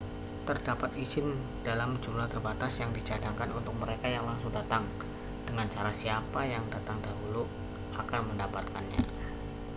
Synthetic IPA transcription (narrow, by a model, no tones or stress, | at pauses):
t̪ərdapat̪iz̥ɪn | d̥alamd͡ʒumlaht̪ərbat̪asjaŋdid͡ʒadaŋkanunt̪ʊk̚məɾekajaŋlaŋsʊŋdat̪aŋ | d̥əŋant͡ʃaɾasiapajaŋdat̪aŋdaɦulu | akanməndapat̪̚kanɲa̰